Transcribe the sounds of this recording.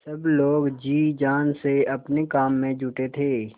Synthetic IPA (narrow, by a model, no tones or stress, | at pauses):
sɐbloːɡd͡ʒiːd͡ʒaːnseɐpnekaːmːẽd͡ʒuːʈet̪ʰeː